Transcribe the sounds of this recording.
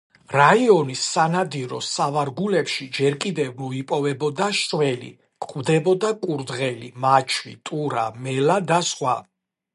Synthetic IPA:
ɾaiɔnisːanad̪iɾɔsavaɾɡulɛpʃid͡ʒɛɾkʼid̪ɛvmɔipʼɔvɛbɔd̪aʃɾvɛlḭ | kʼqʼvd̪ɛbɔd̪akʼuɾd̪ʁɛlimat͡ʃʰwit̪ʼuɾamɛlad̪asχwa̰

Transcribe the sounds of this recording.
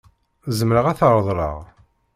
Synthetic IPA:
zəmɾəʁæθəɾˤðˤɾˤə̰ʁ

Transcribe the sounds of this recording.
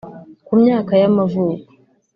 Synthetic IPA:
kumɲaːkajamavuːku̥

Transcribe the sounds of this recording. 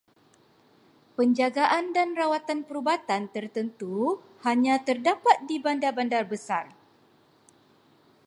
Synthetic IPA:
pəɲd͡ʒaɡaʔandanrawat̪anpəɾubat̪ant̪ərt̪ənt̪u | haɲãt̪ərdapat̪̚dibandabandarbəsar

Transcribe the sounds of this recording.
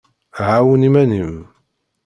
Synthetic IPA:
ʕawənimænim

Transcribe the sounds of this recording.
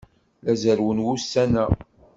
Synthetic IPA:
læzəɾwənwusːænæ

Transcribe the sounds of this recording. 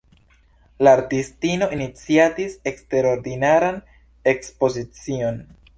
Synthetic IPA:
laːɾtistino̞ʔinit͡siatise̞kste̞ɾo̞ɾdinaɾan | e̞kspo̞zit͡sio̞n

